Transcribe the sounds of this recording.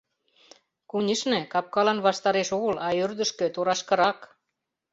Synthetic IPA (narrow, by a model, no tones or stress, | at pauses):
kunʲiʃnĕkɑp̚kɑlɑnβɑʃt̪ɑɾeʃoɣə̆lɑørd̪ə̆ʃkø̆t̪oɾɑʃkɤ̆ɾɑk